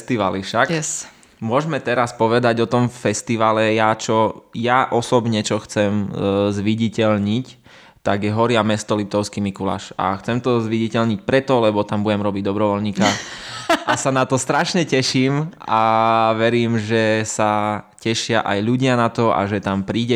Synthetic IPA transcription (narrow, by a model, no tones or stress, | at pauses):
st̪iʋa̰lifʃak | mʊɔʒmɛt̪ɛɾaspɔʋɛd̪aɟɔt̪ɔmfɛst̪iʋaːlɛjat͡ʃɔjaʔɔsɔbɲɛt͡ʃɔxt͡sɛmzʋiɟicɛʎɲic | t̪aɡjɛɦɔɾɪamɛst̪ɔlip̚t̪ɔʊskimikula̰ːʃa̰xt͡sɛmt̪ɔzʋiɟicɛlɲic̚pɾɛt̪ɔlɛbɔt̪ambuɟɛmɾɔbiɟ̚d̪ɔbɾɔʋɔlɲiːka | ʔasanat̪ɔst̪ɾaʃɲɛcɛʃiːmʔaʋɛɾiːmʒɛsacɛʃɪa̰ʔa̰jʎuɟɪanat̪ɔa̰ʒɛt̪ampɾiːɟɛ